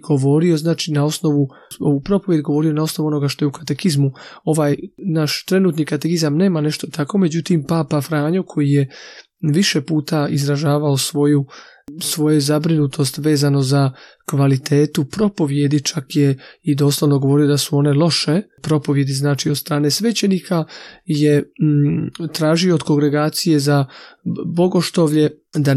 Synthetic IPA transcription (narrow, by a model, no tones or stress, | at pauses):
ɡ̥o̞ʋo̞ɾio̞znaːt͡ʃinao̞sno̞ʋu | oʋupɾo̞poje̞d̪ɡo̞ʋo̞ɾio̞nao̞sno̞ʋuo̞no̞ɡaʃt̪o̞jukat̪e̞kizmuo̞ʋaːjnaːʃt̪ɾe̞nuːt̪nikat̪ekizamne̞ːmane̞ʃt̪o̞t̪ʰako̞me̞d͡ʑut̪impaːpafɾaːɲokʰo̞jije | ʋiʃepuːt̪aizɾaʒaːʋaosʋo̞ju | sʋo̞jezabɾinut̪ʰo̞st̪ʋe̞ːzano̞za | kʋalit̪ʰeːt̪upɾo̞po̞ʋje̞d̪it͡ʃakjeid̪o̞ːslˠoʋno̞ɡo̞ʋo̞ɾijod̪asuo̞ne̞lˠo̞ʃe̞pɾo̞po̞ʋje̞d̪iznaːt͡ʃiod̪st̪ɾaːne̞sʋet͡ɕe̞nikʰaje̞ | t̪ɾaːʒioːd̪ko̞ɡɾe̞ɡaːt̪sije̞za | bo̞ɡo̞ʃt̪oʋʎe̞ | d̪a